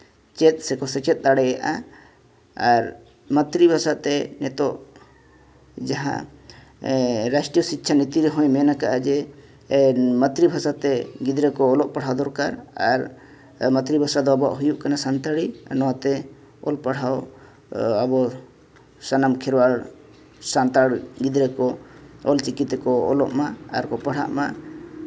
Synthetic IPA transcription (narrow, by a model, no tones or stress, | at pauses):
t͡ʃɛt̪̚sɛkɔsɛt͡ʃɛt̪̚ˀd̪aɽɛjaʔa | aɾ | mə̃t̪ɾibʱasat̪ɛnɛt̪ɔʔ | d͡ʒaɦã̰ | ɾasʈijɔsit̪ːt͡ʃʰanit̪iɾɦɔ̃jmɛnakaʔad͡ʒɛ | mət̪ɾibʱasat̪ɛɡid̪ɾɛkɔːlɔʔpaɽ̤awd̪ɔɾkaɾa̰ɾ | mət̪ɾibʱasad̪ɔabaʔɦujuʔkanasant̪aɽinɔwat̪ɛ | ɔ̰lpaɽ̤aw | abɔ | sanamkʰɛɾwaɾ | sant̪aɽɡid̪ɾɛkɔɔlt͡ʃikit̪ɛkɔɔ̰lɔ̰ʔmaa̰ɾkɔpaɽ̤a̰ʔma̰